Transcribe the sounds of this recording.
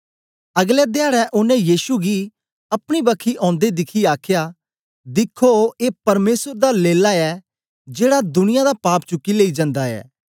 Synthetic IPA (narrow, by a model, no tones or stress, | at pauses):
ɐɡlɛːd̪jaːɽɛʔʊnɛ̃jiːʃuɡiː | ɐpɽ̃ibəkʰiʔɔ̃ːnd̪ed̪ɪkʰiaːkʰjaː | d̪ɪkʰːoeːpɐɾmeːsəɾd̪aːleːlaːɛː | d͡ʒeːɽad̪ʊnɪjãd̪aːpaːpt͡ʃʊkːileːiːd͡ʒə̃nd̪aːɛ̰ː